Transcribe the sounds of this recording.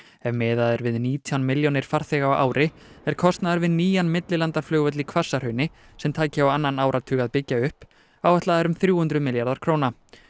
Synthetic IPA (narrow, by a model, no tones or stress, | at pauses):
ɛvmɛːðaðɛɾvɪðniːt̪ʰjawnmɪljonɪɾ̥faɾ̥θɛɣaʔa̰ːwɾʔɪ | ɛɾ̥kʰɔst̪naðaɾvɪðniːjanmɪt̪lɪlant̪aɾflœːɣœt̪lɪkʰvasːar̥œɥnɪ | sɛmt̪ʰaːcɪawanːanaːwɾʔat̪ʰʏːɣaðpɪcːaʏhp | awvɛht̪laðɛɾʏmθɾjuːhʏnt̪ɾʏðmɪljaɾðaɾ̥kʰɾoːwna